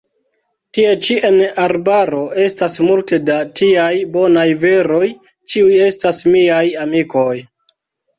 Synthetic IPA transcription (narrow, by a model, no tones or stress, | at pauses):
tie̞t͡ʃiʔenaɾbaɾo̞ʔe̞stasmulte̞datiajbo̞najve̞ɾo̞j | t͡ʃiuje̞stasmiajamiko̞j